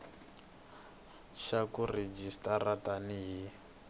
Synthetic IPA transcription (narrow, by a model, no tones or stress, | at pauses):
ʃakured͡ʒistarataniɦi